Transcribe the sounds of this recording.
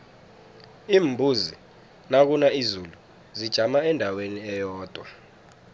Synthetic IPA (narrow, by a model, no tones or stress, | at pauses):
iːmbʱuzi | nak̬unaizulu | zid̥ʒ̥ʱamaɛndʱaweniɛjɔːd̥ʱwa